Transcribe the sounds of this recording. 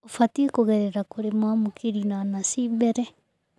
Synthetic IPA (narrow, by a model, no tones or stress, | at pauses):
ofatiekoɣɛɾeɾakoɾemwamokiɾinanasimbɛɾɛ